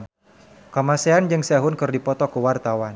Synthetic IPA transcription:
kamaseand͡ʒɨŋsaɦʊnkɨrdipɔt̪ɔkəwart̪awan

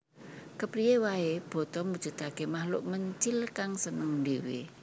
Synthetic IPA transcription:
kəpɾijewaeb̥ɔ̤t̪ɔmud̥ʒ̥ṳt̪akemahlʊ̰ʔməɲt͡ʃɪlkaŋsənəŋd̪ewḛ

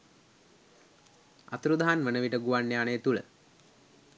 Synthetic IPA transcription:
a̰t̪ɾud̪aɦanʋənəʋiʈəɡuʋanːejaneːt̪ulə̰

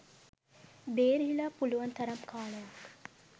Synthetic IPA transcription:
beːɾɦilapuluʋɐnt̪ʰɐɾɐmkʰaːɭɐjak

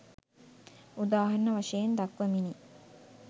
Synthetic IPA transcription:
ud̪aːɦarnəʋaʂejend̪akʋəmini

